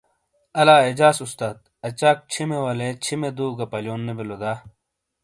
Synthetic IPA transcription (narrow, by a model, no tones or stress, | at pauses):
ɐlaːed͡ʑaːsust̪aːd̪̚ɐt͡ɕaːk̚t͡ɕʰimewɐlet͡ɕʰimed̪uːɡɐpɐljoːnːebelod̪aː